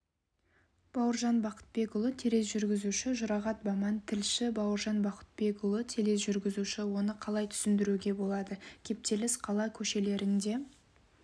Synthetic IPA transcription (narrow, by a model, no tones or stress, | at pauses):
b̥ɑwəɾʒɑnbɑqə̥t̪̚be̞kʊlˠət̪ʲʰeɾe̞sʒʏɾɡʲɪzuʃɪʒʊɾɑʁɑt̪̚bɑmɑnt̪ʰɪlʃɪbɑwəɾʒɑnbɑqə̥t̪̚be̞kʊlˠət̪ʲʰele̞s̬ʒʏɾɡʲɪzuʃɪwo̞nəqʰɑlˠɑjt̪ʰʏ̥sɪnd̪ɪɾuɡʲe̞bo̞lˠɑd̪əkʲʰe̞p̚t̪e̞lɪsqʰɑlˠɑkʲʰɵʃe̞le̞ɾɪnd̪e̞